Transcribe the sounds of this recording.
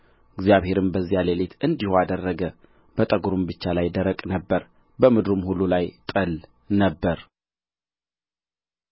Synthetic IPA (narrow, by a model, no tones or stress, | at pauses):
ɨɡzjaβhe̞ɾɨmbəzːialelet̪ʰɨnd̪ihoad̪ərːəɡə | b̥ət̪ʼəɡuɾumbɨt͡ʃːalajd̪əɾəkʼnəbːəɾ | bəmɨd̪ɾumhulːulajt̪ʼəl | nəbːəɾ